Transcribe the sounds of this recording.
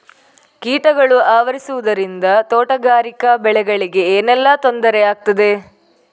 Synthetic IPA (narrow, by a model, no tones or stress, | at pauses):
kiːʈɐɡɐɭuaːʋɐɾisuʋud̪ɐɾind̪ɐt̪ɔːʈɐɡaːɾikɐbɛɭɛɡɐɭiɡe̞eːnɛlːɐt̪ond̪ɐɾɛaːɡ̚t̪ɐd̪e̞